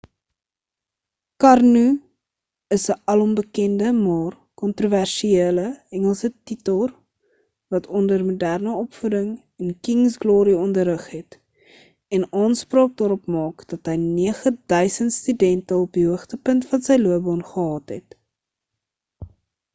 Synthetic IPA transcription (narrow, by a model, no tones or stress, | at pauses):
kɐrnu | əsəʔɐlɔmbəkɛndəmɑːr | kɔntruværʃieələɛŋəlˠsətitəlˠr | vɐtʰɔndərmudærnəɔpfudəŋ | ənkiŋsɡlɔːɾiɔndəɾəχɦɛt | ɛnɑːnspɾɑːk̚dɑːɾɔpmɑːkd̥ɐtɦəjniəχəd̥œɥsəntstydɛntəɔpdiɦuəχtəpəntfɐnsəjluəbɔnχəɦɑːtɦɛ̰t